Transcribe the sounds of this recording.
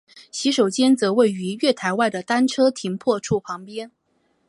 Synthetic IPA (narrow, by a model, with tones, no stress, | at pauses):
ɕi˧˥ʂo˨˩ʊt͡ɕjɛ˥nt͡sɤ˧˥we˥˩ɪy˧˥ɥɛ˥˩t̪ʰa˧˥ɪwa˥˩ɪd̪ə˩t̪a˥nʈ͡ʂʰɤ˥t̪ʰi˧˥ŋpʰwɔ˥˧ʈ͡ʂʰu˥˩pʰɑ˧˥ŋpjɛ˥n